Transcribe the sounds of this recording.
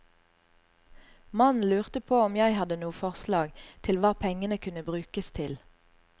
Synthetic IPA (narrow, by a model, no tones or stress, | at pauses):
mɑnlʉːʁt̪əpʰoːɔmjæɪhɑd̪ənuːfɔʁslɑːɡt̪ʰɪlʋɑːpʰɛŋənəkʰʉnəbʁʉːkəst̪ʰɪl